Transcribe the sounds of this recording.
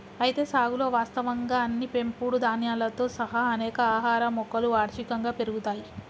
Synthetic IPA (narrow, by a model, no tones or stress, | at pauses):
ɐjit̪e̞ːsaːɡulo̞ːʋaːst̪ɐʋɐŋɡaːɐnːipe̞mpuːɽud̪ʱaːnjaːlɐt̪o̞ːsɐɦɐɐnɛːkɐaːɦaːɾɐmɔkːɐluaːɾʃikɐŋɡaːpe̞ɾuɡut̪aːji